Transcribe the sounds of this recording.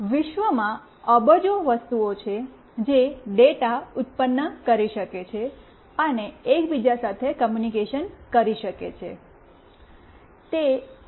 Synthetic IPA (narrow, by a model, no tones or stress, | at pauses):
ʋɪʃʋəmã | əbəd͡ʒoʋəst̪uot͡ʃʰe | d͡ʒeɖeʈaʊt̪̚pənːəkəɾiʃəket͡ʃʰe | əneːkbid͡ʒasat̪ʰekəmjunikeʃənkəɾiʃəkḛt͡ʃʰḛ | t̪e